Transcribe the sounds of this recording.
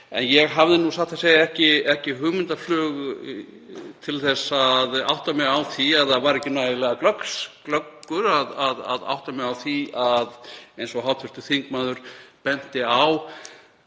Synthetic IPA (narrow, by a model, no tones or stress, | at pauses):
ɛ̰njɛɣɦavðɪnusaht̪ʰaseːjaɛhcɪɛhcɪɦʏːmɪnt̪aflʏːɣ | t̪ʰɪlθɛsːaða̰wht̪amɛðawθiaðθaðvaɾɛhcːɪnaːjɪlɛɣaklœksklœkːʏɾaðaða̰ða̰wht̪amɛawθiaðejnsɔɦawt̪ʰʏst̪ʏθiŋkmaːðʏɾ̥pɛn̥t̪ɪaw